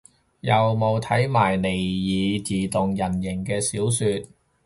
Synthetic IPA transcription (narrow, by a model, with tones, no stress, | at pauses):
jɐ˨wmo˨˧wt̪ʰɐ˨˥jmaː˨˩jle˨˩jjiː˨˧t͡siː˨t̪ʊ˨ŋjɐ˨˩njɪ˨˩ŋkɛː˧siː˨˥wsyː˧t̚